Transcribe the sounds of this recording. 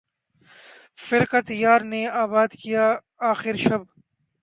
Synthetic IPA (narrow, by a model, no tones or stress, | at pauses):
fɪɾkət̪jaːɾneaːbaːd̪kijaː | aːxɪɾʃɐb